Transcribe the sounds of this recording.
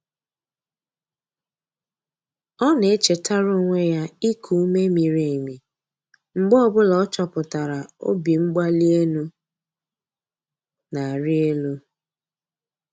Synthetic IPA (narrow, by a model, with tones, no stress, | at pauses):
ɔ˦ne˨e˦t͡ʃe˨ta˦ɾo˦ŋʷe˦ja˦i˦kʰu˨u˦me˦mi˨ɾe˨e˨mi˨ | ŋ͡m̩˨ɡ͡bɔ˦ɔ˦bʊ˦la˨ɔ˦t͡ʃɔ˨pʊ˨ta˨ɾa˨o̰˦bi˨ŋ͡m̩˦ɡ͡ba˦li˦e˦nu˦ | na˨a˨ɾɪ˦e˦lu˦